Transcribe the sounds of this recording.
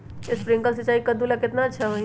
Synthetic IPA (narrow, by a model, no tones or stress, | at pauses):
espɾɪ̃ŋkəls̬ət͡ʃaːikəd̪ulakɪt̪nat͡ʃʰaʋəĩ